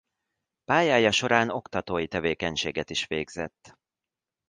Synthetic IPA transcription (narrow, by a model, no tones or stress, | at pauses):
paːjaːjɒʃo̞ɾaːno̞kt̪ɒt̪oːjit̪ɛveːkɛɲʃeːɡɛt̪iʃʋeːɡz̥ɛ̰t̪ː